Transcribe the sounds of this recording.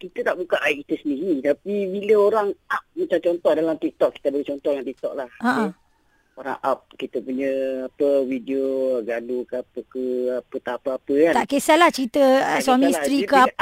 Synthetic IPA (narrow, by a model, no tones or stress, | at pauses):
kit̪ət̪aʔbukaʔaiʔki̥t̪əsəndiɾit̪apibiləoɾaŋap̚mat͡ʃamt͡ʃɔnt̪ɔhdalamt̪ik̚t̪ɔʔ̚kːi̥t̪abəɡit͡ʃɔnt̪ɔhalamt̪ik̚t̪ɔʔ̚lahaʔə | oɾa̰ŋʔap̚kit̪əpuɲə̃apəwidioɡadukapəkəapət̪apəapəkanʔkesalaht͡ʃəɾit̪əswamĩisst̪ɾikəa